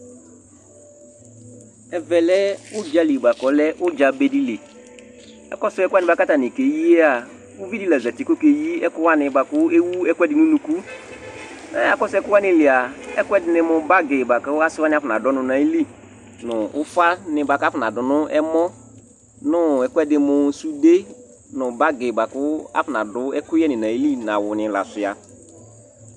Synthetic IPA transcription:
ɛ˨vɛ˨lɛ˦ʊ˦d͡ʒa˦li˨ba˨kɔ˨lɛ˦ʔʊ˦d͡ʒa˨be˨di˦le˨ | ɛ̰˨kɔ˦sʊ˦ɛ˦ka˦nɪ̃˨˦ba˨ka˦ta˨nɪ˨ke˨ji˦e˦a˨ | ʊ˦vi˦di˦lɛ˨zɛ˨tɪ˨˦kʊ˦ke˨ji˦ɛ˦kʊ˦wa˦nɪ̃˨ba˨kʊ˦e˦wu˦ɛ˦kʷɛ˦dɪ˨nʊ̃˦nũ˨ku˦ | na˨˦a˨kɔ˦sɛ˦kʊ˦wa˦nɪ˨lɪ˨a˨ɛ̰˦kʷɛ˦dɪ˨˦nɪ˧mʊ̃˧ba˦ɡɪ˨ba˨kʊ˦a˦sɪ˦wa˦nɪ˦a˦fna˨dɔ˨˦nʊ̃˨nã˨i˦li˦ | nʊ˨ʊ˦fa˦nɪ˨ba˨ka˦fʊ˨na˨dʊ˨nʊ˦ɛ˦mɔ˦ | nʊ˦ɛ˨kʊ˦ɛ˦dɪ˧mʊ˨˦su˦de˦ | nʊ˨ba˦ɡɪ˨ba˨kʊ˦a̰˦fʊ˨na˨dʊ˨˦ɛ˦kʊ˦jɛ˦nɪ̃˨na˨i˦li˦na˨wʊ˨nɪ˨la̰˨sɪ˨a˨

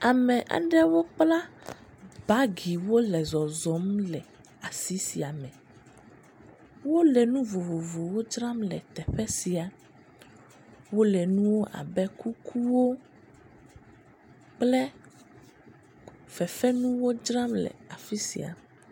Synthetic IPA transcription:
a˨mɛ̃˨ʔa̰˨ɖɛ˦wo˦k͡pla˦ | ba˦ɡi˨wo˦lɛ˨zɔ˨zɔ˨˦mlɛ˨ | a˨si˦si˨a˨mɛ̃˨ | wo˦lɛ˨nũ˦vo˨vo˨vo˨wo˦d͡ʒɾa˦mlɛ̰˨t̪ɛ˨ɸɛ˦si˨a˨ | wo˦lɛ˨nũ˦wo˦ʔa̰˨bɛ˦ku˦kʰu˦wo˦ | k͡plɛ˦ | fɛ˨fɛ˦nũ˦wo˦d͡ʒɾã˦mlɛ̰˨a˨fi˦sḭ˨a̰˨

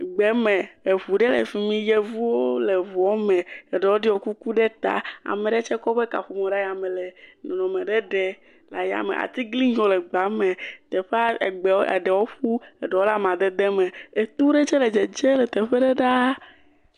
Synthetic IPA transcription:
ɡ͡bɛ˨˦mɛ˨e˨βu˨ɖɛ˦lḛ˨fi˨mĩ˦jɛ˦vu˦wo˦le˨vɔ˨˦mɛ˨e˨ɖɛ˨wo˦ɖi˦wo˨ku˦ku˦ɖɛ˦t̪a̰˨a̰˨me˨ɖɛ˦t͡ʃɛ˦kɔ˦ɸɛ˦ka̰˨ɸu˨mẽ˨ɖa˦ja˨mẽ˨lɛ˨nɔ̃˨nɔ̃˨mẽ˨ɖɛ˦ɖɛ˦ | la˨ja̰˨mḛ˨ʔa̰˨t̪i˦ɡli˦d͡ʒo˦lɛ˨ɡ͡ba˨˦mẽ˨t̪ɛ˨ɸe˦a˦e˨ɡ͡bɛ˨wɛ̰˨ɖɛ˨wo˦ɸu˦e˨ɖɛ˨wo˦la˦mã˨d̪ɛ˦d̪ɛ˦mẽ˨e˨t̪u˦ɖe˦t͡ʃɛ˦lɛ˨d͡ʒɛ˨d͡ʒe˦lɛ˨t̪ɛ˨ɸɛ˦ɖɛ˦ɖa˦

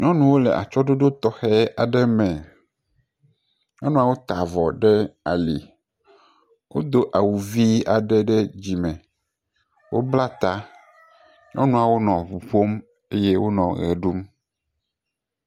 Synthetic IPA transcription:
ɲɔ̃˦nũ˦wo˦lɛ˨ʔa̰˨t͡ʃɔ˦ɖo˦ɖo˦t̪ɔ˦xɛ˦a˨ɖɛ˦mɛ̃˨ | ɲɔ̃˦nũ˦a˨wo˦t̪a˨vɔ˨ɖɛ˦a̰˨lḭ˨ | wo˦d̪o˦ʔa˨wu˨vi˦a˨ɖɛ˦ɖɛ˦d͡ʑi˨mɛ̃˨ | wo̰˦bla˦t̪a˦ | ɲʔɔ̰̃˦nũ˦a˨wo˦nɔ̃˨ɸu˨ɸo˦m | e˦je˦wo˦nɔ̃˨ɣɛ̰˨ɖu˦m

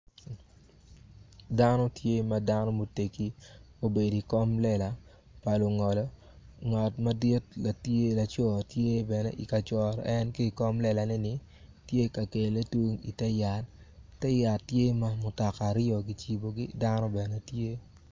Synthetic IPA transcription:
da˦nɔ˦tje˦mada˦nɔ˦mo˨te˨ki˦ | o˨be˨di˨kɔ˦mlɛ˦la˨ | pa˨lo˨ŋɔ˨lɔ˦ | ŋɔ˨tma˦di˦tla˨tje˦la˨t͡ʃɔ˨tje˦bɛ˨nɛ̰˦ʔi˨ka˨t͡ʃɔ˨ɾɔ̰˨ʔɛ˦nke˦i˨kɔ˦mlɛ˨la˨nɛ˦nɪ˦ | tje˦ka˨ke˨le˦twu˦ŋḭ˨tɛ˦ja˨tː | ɛ˦ja˨tːje˦ma˦mʊ˨ta˨ka˨ɾɪɔ˨ɡi˨t͡ʃi˨bo˨ɡḭ˦da˦nɔ˦bɛ˨nɛ˨tje˦

